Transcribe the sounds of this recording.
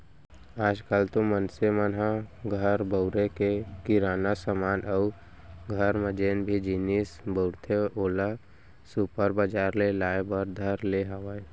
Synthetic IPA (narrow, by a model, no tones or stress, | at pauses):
aːd͡ʒkalt̪õmənsemənɦãɡʱəɾbəʊɾekekɪɾaːnasəmaːnʔəu | ɡʱəɾməd͡ʒeːnbʱid͡ʒinisbəʊɾt̪ʰeʔoːla | supəɾbaːd͡ʒaːɾlelaːebəɾd̪ʱəɾleɦəʋae